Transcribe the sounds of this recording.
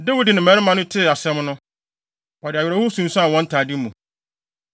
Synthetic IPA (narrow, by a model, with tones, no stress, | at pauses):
dɛ˦wi˦dɪ˨nɪ̃˨m˨ɛ˨˦ɾɪ˦mã˨nʊ̃˦tʰɪ˦˨a˨sɛ̃˦mnʊ̃˦ | ɔ˨dɪ˨a˨ɥɛ˨ɾɔ˦hʊ˦sũ˨n̩˦su˦ã˨wɔ̃˦n̩˦tʰaː˨dɪ˦mũ˨